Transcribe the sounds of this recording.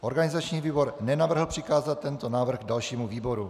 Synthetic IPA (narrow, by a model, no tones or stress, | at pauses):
ʔo̞ɾɡanɪzat͡ʃɲiːviːbo̞ɾnɛnavr̩ɦl̩pr̥ɪkaːzat̪̚ːɛnt̪onaːvr̩ɣ̚dalʃiːmuviːbo̞ɾu